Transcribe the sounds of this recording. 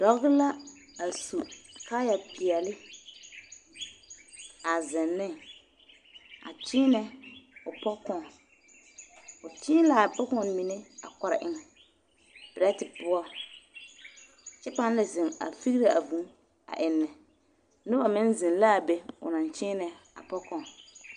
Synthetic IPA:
d̥ɔ˨˦ɣɡɪ˦la˦a˨su˨ka˦ja˨pɪ˨ɛ˨lɪ˦ | a˨zɪ˨nːɪ˦ŋ | a̰˨t͡ʃɪ˦nɛ˦ʊ˨pɔ˦kɔ˨ | ʊ˨t͡ʃɪ˦la˨pʊ˦kɔ˦˨˦mi˨nɪ˦a̰˨kɔ˨ɾa̰˨ʔɪ˦ŋɛ˨ | b̥ɪ˨ɾa˦tɪ˨pʊ˦ɔ˦ | t͡ʃɛ˦pa˦n˦la˨zɪ˨ŋa̰˨fi˦ɣɾe˦a˨vũ˨˦ | a̰˨ʔɪ˨nːɛ˨ | nʊ˦ba˨mɪ̃˦nzɪ˨nla˦˨be˦ʊ̰˨nã˨nt͡ʃɪː˦nɛ˨ | a̰˨pɔ˦kɔ̃˨

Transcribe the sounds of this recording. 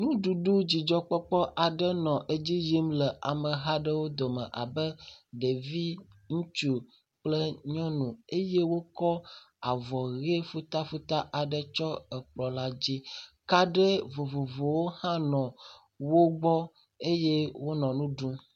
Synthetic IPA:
nũ˦ɖu˨ɖu˦d͡ʑi˨d͡ʒɔ˦k͡pɔ˦k͡pɔ˦ʔa˨ɖə˦nɔ̃˨ʔe˦d͡ʑi˦ji˦mlə˨ʔa˨mə̃˨ɦa˦ɖə˦wo˦d̪o˨mə̰̃˨ʔa̰˨bə˦ɖe˨vi˦ŋũ˦t͡ʃu˨ | k͡plə˦ɲɔ̃˦nũ˨e˦je˦wo˦kɔ˦ | a˨vɔ˨ɣe˦fu˦t̪a˦fu˦t̪a˦ʔa˨ɖə˦t͡ʃɔ˦ə˨k͡plɔ˨la˦d͡ʑi˦ | ka˦ɖɛ˦vo˨vo˨vo˨wo˦hã˦nɔ̃˨ | wo˦ɡ͡bɔ˦ | e˦je˦wo˦nɔ̃˨nũ˦ɖũ˦

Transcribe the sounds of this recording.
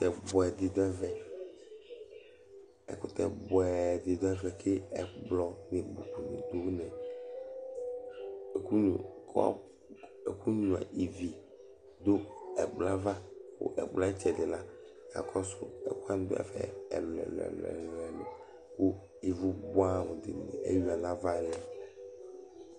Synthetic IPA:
t̪ɛ˨bɔ˨ɛ˨d̪ɪ˨d̪ɔ˦ɛ˦vɛ˨ | ɛ̰˨kʊ˦t̪ɛ̰˨bɔ˨ɛ˨d̪ɪ˨d̪ɔ˦ɛ˦vɛ˨ke˦ɛ˨ɡ͡blɔ˨ne˨bo˨k͡pu˨nḭ˨d̪o˦nɛ̃˨ | ku˦u˨ka̰˦ | e˨ku˦ɲũ˨a̰˨i˨vi˨ | d̪o˦ɛ˨ɡ͡bla˦va˦kʊ̰˦ʔɛ̰˨ɡ͡bla˦t͡ʃɛ˨dɪ˨la˦˨ka̰˨kʰɔ˦sʊ̰˦ɛ̰˨ku˦a˦ñ˨˦d̪o̰˦ɛ̰˨fɛ̰˨lɛ̰˨lɛ̰˨lɛ̰˨llɛ˨lṵ̃˨ | ku˦ | i˨vu˦bo˦a˦˨mũ˨d̪ɪ̰˨n˨ḛ˦ju˦a˨nã˦va˦lɪ˨˦a˨

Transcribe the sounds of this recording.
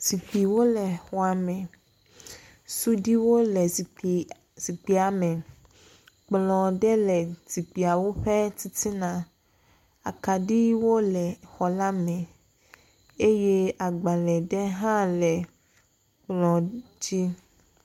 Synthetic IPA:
si˨ɸi˨wo˦lɛ˨xɔ˦a˨mɛ̃˨ | su˦ɖi˦wo˦lɛ˨ | z̥i˨k͡pi˦a˨mɛ̃˨ | k͡plɔ̃˨ɖɛ˦lɛ˨zi˨k͡pi˨a˨wo˦ɸɛ˦ti˦t̪i˦nã˨ | a̰˨ka˨ɖi˦wo˦lɛ˨xɔ˨la˦mɛ̃˨ | e˦je˦a˨ɡ͡ba˨lɛ˨ɖɛ˦ɦã˦lɛ˨ | k͡plɔ̃˨d͡ʑi˦

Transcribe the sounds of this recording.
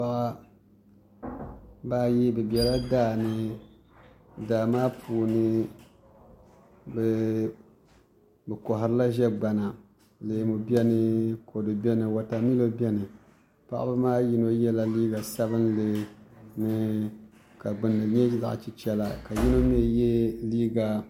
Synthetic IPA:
a˦ʔa˦ | baː˦ji˦bɨ˨bi˨ɛ˨la˦daː˦˨nɨ˦ | daː˨maː˦pʰuː˨nɨ˦ | bɛ˨ | bɨ˨kɔ˨ɦɨ˨ɾɨ˦la˦ʒɛ˦ɡ͡ba˨na˨ | lɨ˨mu˨bɛ˦nɨ˦kʰo˨do˨bʲɛ˦nɨ˨wa˨ta˨mi˦lo˦bɛ˦nɨ˨ | pa̰˦ʔa̰˦bɨ˦maː˦ji˦no˦jɛ˦la˨liː˦ɡa˨sa˦bɨ˦nlɨ˨nɨ˦ | ka˨ɡ͡bɨ˨nːɨ˨lɲɛ˦za̰˨ʔt͡ʃi˦t͡ʃɛ˦la˨ka˨ji˦no˦m˦ɛ˦jɛ˦liː˦ɡa˨

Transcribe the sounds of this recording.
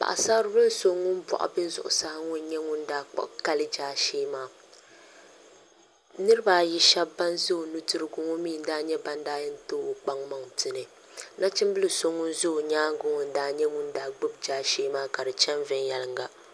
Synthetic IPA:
pa̰˨ʔsa˦bɾɨ˦bɨ˦lɨ˦so˦ŋːʊ˦n˦pɔ̰˨ʔa̰˨bɨ˦zʊ̰˦˨ʔʊ̰˨sa˦hŋʊ˦n˦ɲɛ˦ŋʊ˦n˦daː˦k͡pa̰˦ʔka˦lɨ˦d͡ʒaː˦ʃeː˦maː˦ | nɨ˦ɾɨ˦ba˨ji˦ʃɛ˦ba˦nzo˦o˨nu˦tɨ˦ɾɨ˦ɡʊ˨ŋɔ˦miː˦˨n̩˦daː˦ɲɛ˦ba˨ndaː˦jɨ˦n˦toː˦o˨k͡pa˦ŋma˨ŋtɨ˨nɨ˨ | na˦t͡ʃɪ˦mbɨ˦lɨ˨so˦ŋːʊ˦nzʊ˦o˨ɲaː˦ɡʊ˦ŋɔ˨n̩˦daː˦ɲɛ˦ŋʊ˦ndaː˨˦ɡ͡bɨ˦b̚d͡ʒaː˦ʃeː˦maː˦ka˨ɾɨ˨t͡ʃɛ˦nvɪ˦njɛ˨lɨ˨˦ŋɡa˦

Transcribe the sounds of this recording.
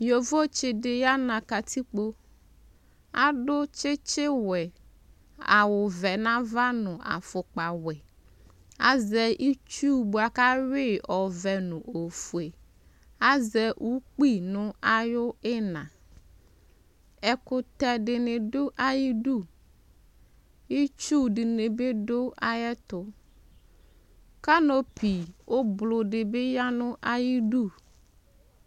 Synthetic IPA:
jo˨vo˦t͡ʃɪ˨dɪ˨ja˦nã˨ka˨tʰi˦k͡po˦ | a˦dʊ˦t͡ʃɪ˦t͡ʃɪ˦wɛ˨ | a̰˨wʊ˨vɛ˨nã˦va˦nʊ̃˨ʔa̰˨fʊ˨k͡pa˨wɛ˨ | a˦zɛ˨i˦t͡ʃu˦ba˨ka˦wɪ˦ɔ˨vɛ˨nʊ̃˨ʔo˨fu˨e˨ | a˦zɛ˨ʔu˦k͡pi˦˨nʊ̃˦a˦jʊ˦ɪ˦nã˨ | ɛ˨kʊ˨t̪ɛ˨dɪ˨nɪ˨dʊ˦ʔa˦ji˦du˦˨ | i˦t͡ʃu˦dɪ˨nɪ˨be˦dʊ˦a˦jɛ˦t̪ʊ˨ | ka˦no˦pʰi˨o˦blʊ˨dɪ˨bɪ˦ja˦nʊ̃˦ʔa˦ji˦du˦˨

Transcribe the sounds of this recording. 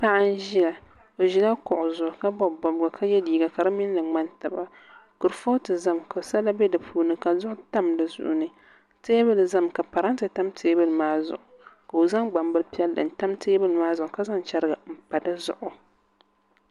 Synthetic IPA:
pa˦ʔa˦n̩˦ʒi˦ja˨ | o˨ʒi˨˦la˦kʊ˨ʔʊ˨zʊ˨ʔʊ˨ka˦bɔ˦bɔ˨bɨ˨ɡa˨kʰa˦jɛ˦diː˨ɡa˨ka˨ɾɨ˦mɪ˦n˦lɨ˨ŋ͡ma˦nta˨ba˨ | ku˨ɾfo˦tɨ˨za˦˨mka˨sa˦la˦bɛ˦dɨ˨pʰuː˨˦nɨ˨ka˨zʊ˦ʔʊ˦ta˦mdɨ˨zʊ̰˨ʔʊ˨nɨ˦ | teː˦bɨ˦lza˦˨mka˨pa˨ɾa˦ntɨ˨ta˦mtʰeː˦bɨ˦lmaː˦zʊ̰˨ʔʊ˨ka˨o˨za˦ŋɡ͡ba˨mbɨ˦lpi˦ɛ˦lːɨ̰˨n̩˨˦ta˦mteː˦bɨ˦lmaː˦zʊ˨ʔʊ˨˦ka˦za˦ŋt͡ʃɛ˦ɾɨ˦ɡa˨m̩˨pa˨dɨ˦zʊ̰˨ʔʊ˨

